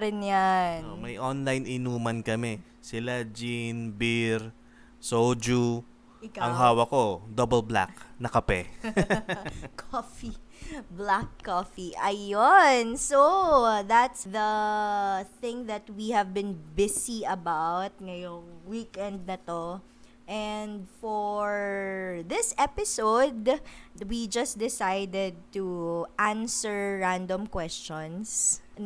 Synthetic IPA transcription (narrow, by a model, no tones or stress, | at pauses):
ɾɪnjanomɐjʔonlajnʔɪnuːmɐnkɐmɛ | sɪlad͡ʒinbiɾ | sowd͡ʒu | ɪkaɐŋɦaːwɐkod̪obɛlbla̰k̚nɐkɐpɛ | kʰofiblakʰːoːfiʔɐjonsoðat̪sðɐ | θɪ̃ŋðɐt̪wihɛvbɪ̃nbɪsiʔɐbawt̪̚ŋɐjoŋwikɛ̃nd̪̚nɐt̪o | ʔɛnd̪fɔɹðɪsʔɛpɪsowd̪wid͡ʒɐsd̪ɪsajd̪ɛd̪̚t̪uʔãnsəɹːãnd̪õmkwɛst͡ʃɔ̃ns